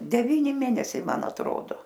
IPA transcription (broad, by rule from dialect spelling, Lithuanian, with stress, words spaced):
dʲɛˈʋʲiːnʲɪ ˈmʲeːnʲɛsʲɛɪ ˈmɐn ɐtˈroːdoː